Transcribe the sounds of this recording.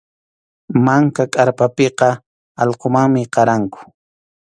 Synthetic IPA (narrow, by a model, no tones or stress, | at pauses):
maŋkakʼaɾpapeqɑ | ɑʎqomaŋmɪqɑɾaŋkʊ̥